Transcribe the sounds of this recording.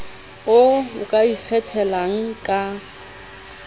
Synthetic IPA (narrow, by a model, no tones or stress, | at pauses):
ʊʊkʼaik͡xʰɛtʰɛlaŋ̩kʼa